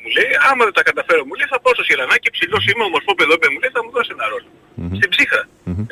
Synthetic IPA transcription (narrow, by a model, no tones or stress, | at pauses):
mule̞jɐmɐðet̪ɐkɐt̪ɐfe̞ɾomuleiθɐpososelɐnɐcepsilo̞simeomo̞ɾfo̞peðopeɐmule̞jθɐmuðose̞nɐɾo̞lo | st̪ibzixɾɐ